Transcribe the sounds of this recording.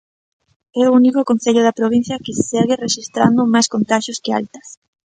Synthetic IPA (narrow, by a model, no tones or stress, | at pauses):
ɛounikʊkon̟θeʎʊðapɾoβ̞ĩn̟θjɐkɪseɣɪreʃist̪ɾand̪ʊmajskont̪aʃjʊskɪa̰lt̪ɐ̥s